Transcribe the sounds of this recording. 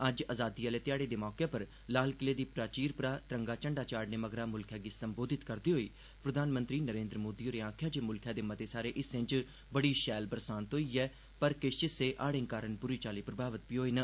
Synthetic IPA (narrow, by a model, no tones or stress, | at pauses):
ɐd͡ʒaːzaːd̪iːaːleːt̪ɪjaːɽeːd̪eːmɔːkepəɾ | laːlkɪleːd̪iːpɾaːt͡ʃiːɾpɾaːt̪ɾə̃ŋɡaːt͡ʃəɳɖaːt͡ʃaːɖneːməɡɾaːmʊlkʰjaːɡiːsəmboːd̪ʱɪt̪kəɾd̪iːɦoːiː | pɾəd̪ʱaːnmə̃nt̪ɾiːnəɾẽːnd̪ɾəmoːd̪iːoːɾeːãːkʰjaːd͡ʒeːmʊlkʰjaːd̪eːmət̪eːsaːɾeːʔɪsɪ̃ɲt͡ʃ | bəɽiːʃɛːlbəɾsaːnt̪oːiːɛː | pəɾkɪʃt͡ʃɪseːʔaːɽɪ̃ŋkaːɾənpʊɾiːt͡ʃaːliːpɾəbʱaːʋət̪̚piɦoːiːnə